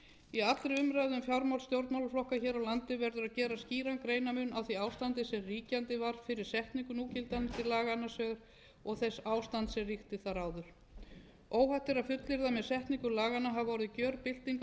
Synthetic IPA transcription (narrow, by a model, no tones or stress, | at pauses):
iat̪lɾɪʏmɾajðʏmfjawɾmawlst̪jowɾt̪mawlflɔhkaçɛːɾawlant̪ɪvɛɾðʏɾaðcɛːɾasciːɾankɾeːjnamʏnʔawθiaːwst̪ant̪ɪsɛmriːcant̪ɪvaɾ̥fɪɾɪɾ̥sɛht̪niŋkʏnuːcɪlt̪ant̪ɪlaːɣanːasœːɣɾ̥ | ɔɣθɛsːaːwst̪ant̪sɛmrixt̪ɪθaɾaːwðʏɾ̥ | oːwɦajht̪ɪɾaðfʏt̪lɪɾðamɛðsɛht̪niŋkʏlaːɣanːaɦavvɔɾɪðcœːɾpɪl̥t̪iŋk